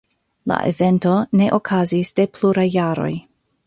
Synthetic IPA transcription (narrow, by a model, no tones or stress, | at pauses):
la̰ʔḛve̞nto̞ne̞ʔokʰazisd̥e̞pʰluɾajːaɾo̞̰j